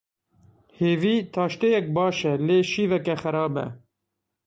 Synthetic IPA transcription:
heːviːt̪ʰɑːʃt̪ejɛk̚bɑːʃɛleːʃiːvɛkɛxæɾɑːbɛ̰

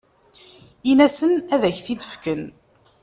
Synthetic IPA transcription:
inæsənæðæçθid̪ə̥fkən

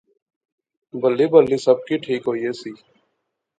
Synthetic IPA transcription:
bəlːiːbəlːiːsəb̚kiːʈʰiːkɦoːieːsiː

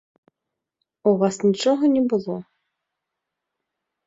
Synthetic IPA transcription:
uvasnʲit͡ʃɔɦɔnʲɛbɨlˠɔ

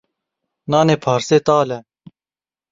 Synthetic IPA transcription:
naːneːpʰaːɾseːt̪aːlɛ

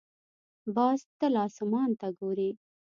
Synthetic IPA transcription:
bɑːst̪əlɑːsʊmɑːnt̪aɡoːɾi

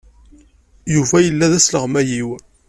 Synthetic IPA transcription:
juvæjəlːæðæsləʁmæjiw

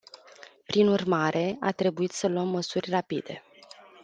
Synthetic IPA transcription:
pɾinurmaɾʔe̞a̰t̪ɾe̞buit̪səluəmːəsurʲrapid̪e̞

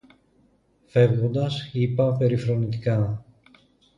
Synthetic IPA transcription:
fe̞vɣo̞nd̪ɐsipɐpe̞ɾifɾo̞nit̪i̥kɐ

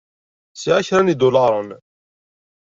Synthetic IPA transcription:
siʕaçɾænid̪ulɑɾˤən

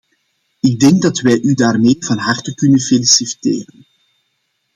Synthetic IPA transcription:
ɪɡ̚dɛŋɡ̚dɑtʋɛjʔydaːrmeːvɑnɦɑrtəkʏnənfelisiftḛːɾən

